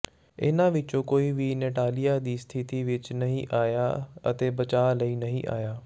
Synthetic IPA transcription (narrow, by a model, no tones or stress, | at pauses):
ɪ̰nãʋɪt͡ʃõkoːiʋineːʈaːlijaːd̪iːst̪ʰɪt̪iʋɪt͡ʃnɐɦĩʔaːjaɐ̰t̪eːbɐt͡ʃaːləinɐɦĩʔa̰ːjaː